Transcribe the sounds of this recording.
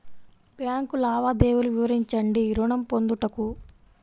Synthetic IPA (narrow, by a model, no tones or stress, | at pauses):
bjaːŋkulaːʋaːd̪eːwuluʋiʋɐɾiɲt͡ʃɐɳɖiɾuɳɐmpo̞nd̪uʈɐku